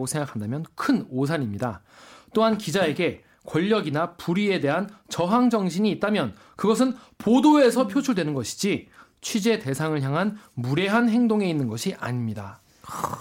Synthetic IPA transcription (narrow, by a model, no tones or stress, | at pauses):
ɡosʰe̞ŋɡakʰandamjʌnkʰɯnos̬ʰaɲimɲida | t͈oɦankid͡ʑae̞ɡe̞ | kwʌʎːʌɡinapuɾie̞de̞ɦant͡ɕʌɦaŋd͡ʑʌŋɕʰiɲiːt̚t͈amjʌn | kɯɡʌs̬ʰɯn | podoe̞sʰʌpʰjot͡ɕʰuɭdwenɯnɡʌɕʰi̥d͡ʑi | t͡ɕʰwid͡ʑe̞te̞sʰaŋɯɭçjaŋɦanmuɾe̞ɦanɦe̞ŋdoŋe̞inːɯnɡʌɕʰiʔa̰ɲimɲida